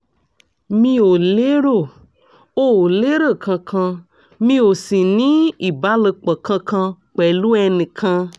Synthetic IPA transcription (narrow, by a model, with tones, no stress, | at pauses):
mĩ˧wo˨le˦ɾo˦˨ | o˦wo˨le˦ɾə˦˨kʰã˧kʰã˧ | mĩ˧˦wo˨sĩ˨nĩ˦i˨ba˦lə˨k͡pə˨kã˧kʰã˧k͡pɛ˨lu˦ɛ˧nĩ˨kʰã˧